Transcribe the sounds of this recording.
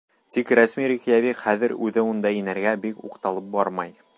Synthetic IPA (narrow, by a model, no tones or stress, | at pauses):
t̪ikɾæsmiɾikijæβiqχæðɘɾʉðɘund̪ɑinæɾɡæbikṵqt̪ɑlˠɤp̚bɑɾmɑj